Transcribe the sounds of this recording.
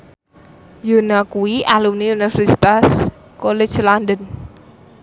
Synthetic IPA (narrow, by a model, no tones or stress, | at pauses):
jonakuiʔalumnijunafɾist̪as | kole̥d͡ʒland̪ən